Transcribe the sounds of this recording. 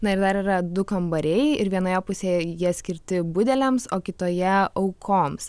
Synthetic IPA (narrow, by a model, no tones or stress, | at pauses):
nɐɪɾd̪ɐɾiːɾɐd̪ʊkɐmbɐɾʲɛɪɪɾʋʲiɛnoːjɛpʊsʲeːjiɛsʲkʲɪɾʲt̪ʲɪbʊd̪ʲɛlʲɛmsoːkʲɪt̪oːjɛɐʊkʰoːms